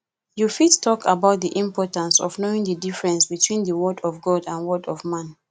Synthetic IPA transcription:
jufittʰɔkʰabaʊt̚ðiʔĩmpɔtãnsɔ̰vnoĩŋdədifɹɛ̃nsbitʰwĩnðəwɔdɔvɡɔdãnwɔdɔvmãn

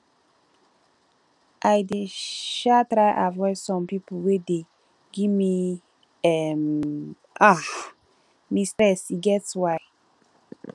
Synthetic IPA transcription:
ʔajdeʃatɾaɪʔavɔɪsɔ̃mpipwede | ɡimi | ɛm | a | mistɹɛsiɡɛtswaɪ

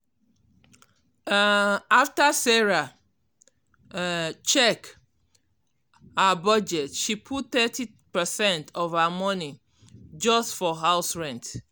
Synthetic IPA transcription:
aftasɛɹa | t͡ʃɛk | habɔd͡ʒɛtʃipʰutt̪ɛti | pɛsɛ̃ntʰɔvamɔni | d͡ʒɔstfɔɦaʊsɹɛ̃nt

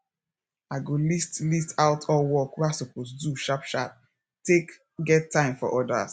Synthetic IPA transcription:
aɪɡolistlistʰaʊtʰɔwɔkwɛasoposduʃapʃap̚ | tek | ɡɛtʰːãɪ̃mfɔ̰ʔɔda̰s

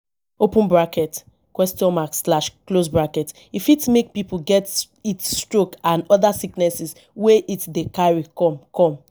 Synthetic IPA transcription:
opə̃nbɹakɛt | kwɛstjɔ̃nmakslaʃklosbɹakɛt | ifitmek̚pipuɡɛt | itstɹokãnɔðasiknɛsis | weʔitdekaɹikɔ̃mkɔ̃m

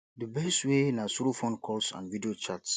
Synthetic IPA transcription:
dəbɛstwenasoɾofõnkʰɔlsã̰nvidiot͡ʃats

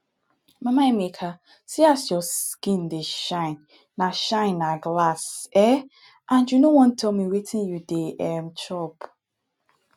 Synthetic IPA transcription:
mamaemekʰa | siasjɔskĩndeʃãɪ̃nː | aʃãɪ̃nːaɡlasɛ | ʔãnd͡ʒunowɔ̃n̩tʰɛlmiwetʰĩnjudeʔɛmt͡ʃɔp

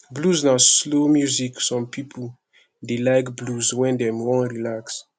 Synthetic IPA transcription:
bluznaslomjuziksɔ̃mpʰipʰu | delajkbluzwɛ̃ndɛ̃mwɔ̃nɹilaks

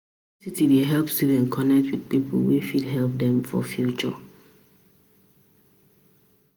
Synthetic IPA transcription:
sitideɦɛlpsuvɛ̃nkʰɔnɛk̚twid̥pipʰə̰lwifidɦɛlp̚dɛ̃ɱfɔ̰fjut͡ʃɔ̰

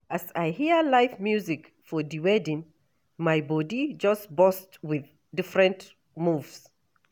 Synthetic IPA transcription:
asaɪhiəlaɪfmjuzik | fɔdiwɛdĩn | maɪbɔdid͡ʒʌstbɔstwɪð | dɪfɹɛ̃nt | muvs

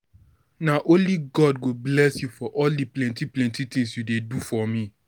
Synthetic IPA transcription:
naʔõnliɡɔd̚ɡoblɛsjufɔʔɔldiplɛ̃ntiplɛ̃ntitĩŋsjudedufɔmĩ

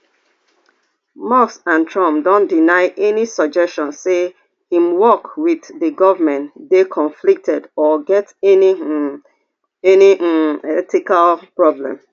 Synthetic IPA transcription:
mɔsãntʰɹɔ̃mpdõndinaɪʔɛnisɔd͡ʒɛstɔ̃nse | hĩmwɔkwiððəɡɔvəmɛ̃ndekʰɔ̃nflik̚tʰɛdɔɡɛtn | ɛniɛtikalpɹɔblɛ̰̃m

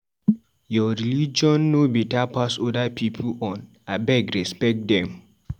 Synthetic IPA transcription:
jɔɹilid͡ʒɔ̃nːobitapasodapʰipʰuɔ̃n | abɛɡɹɛspɛk̚dɛ̃m

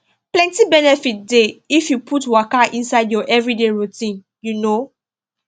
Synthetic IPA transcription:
plɛ̃ntibɛnɛfit̚deifjupʰutwakaʔĩnsaɪdjɔʔɛvɹideɹutĩn | juno

